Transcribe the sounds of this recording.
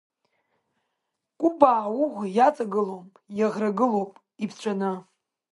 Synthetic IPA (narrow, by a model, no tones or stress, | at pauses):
kʷʼubaːwuʁʷjat͡sʼaɡɨlowpʼjaʁraɡɨlowpʼ | ipʰt͡ɕʷʰanɨ